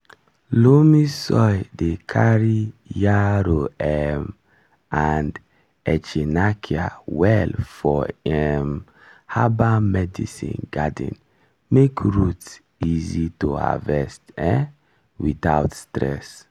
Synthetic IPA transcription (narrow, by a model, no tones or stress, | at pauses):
lumisɔjdekʰaɾijaɾoɛm | and | ɛt͡ʃinakʰia̰wɛlfɔɛm | habamɛdisḭ̃nɡadḭ̃n | mekɹuts | izitoa̰vɛstɛ | witaʊtstɾɛ̰s